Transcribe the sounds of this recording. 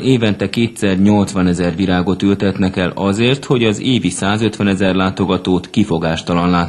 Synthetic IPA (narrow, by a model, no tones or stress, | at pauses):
eːvɛnt̪ɛkeːt̪sɛrɲo̞lt̪sʋɒnɛzɛrʋiɾaːɡo̞t̪ylt̪ɛt̪nɛkɛlɒzeːrt̪ho̞ɟɒzeːvisaːzøt̪ʋɛnɛzɛrlaːt̪o̞ɡɒt̪oːt̪kifo̞ɡaːʃt̪ɒlɒnlaːt̪